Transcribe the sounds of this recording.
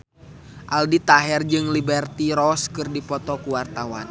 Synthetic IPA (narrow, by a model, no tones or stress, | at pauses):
ʔaldit̪aɦɛrd͡ʒɨŋlibɛrt̪iɾɔskɨrdipɔt̪ɔkuwart̪awa̰n